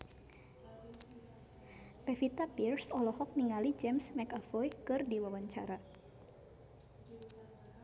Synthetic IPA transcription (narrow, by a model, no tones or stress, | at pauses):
pɛfit̪apirsɔlɔhɔk̚niŋalid͡ʒɛmsmɛkafɔjkɨrdiwawaɲt͡ʃa̰ɾa